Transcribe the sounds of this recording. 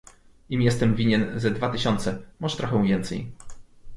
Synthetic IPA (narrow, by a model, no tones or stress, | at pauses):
imjɛst̪ɛmvʲiɲɛnzɛd̪vat̪ɘɕɔnt̪sɛmɔʐɛt̪ɾɔxɛ̃w̃vʲjɛnt̪sɛ̰j